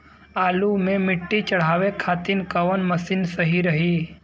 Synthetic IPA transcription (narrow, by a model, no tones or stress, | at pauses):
aːlumẽmɪʈːit͡ʃɐɽ̤aːʋekʰaːt̪ɪnkɐʋənmɐsɪnsəɦiɾəɦi